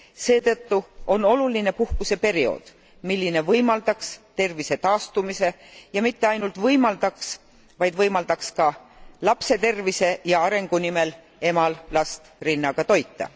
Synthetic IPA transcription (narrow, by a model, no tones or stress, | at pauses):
se̞ːt̪ɤ̞t̪ːuo̞no̞luline̞puhkuse̞pe̞ɾio̞̰d̪̥ | milːine̞vɤjmɑld̪̥ɑkst̪e̞rvise̞t̪ɑːst̪umise̞ | jɑmit̪ːe̞ɑjnult̪vɤjmɑld̪ɑks | vɑjd̪vɤjmɑld̪̥ɑkskɑlɑpse̞t̪e̞rvise̞jɑɑɾe̞ŋɡ̥unime̞l | e̞mɑllɑst̪rinːɑɡ̥ɑt̪o̞jt̪ˑːɑ̰